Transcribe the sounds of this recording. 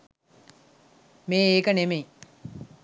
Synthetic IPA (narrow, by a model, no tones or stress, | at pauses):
meːeːkənemej